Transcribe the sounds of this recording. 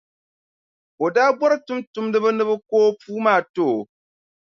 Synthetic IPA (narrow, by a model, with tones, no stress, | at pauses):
o˨daː˦bwɔ˦ɾɨ˦tʊ˦mtʊ˨mdɨ˦bɨ˦nɨ˦bɨ˦koː˦puː˦maː˦˨to˦˨